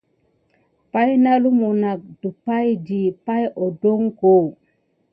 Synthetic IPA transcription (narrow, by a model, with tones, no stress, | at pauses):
pa˦jna˦lu˦mu˨na˨k̚du˨pa˦jd͡ʒi˨pa˦jʔo˨do˦ŋko˨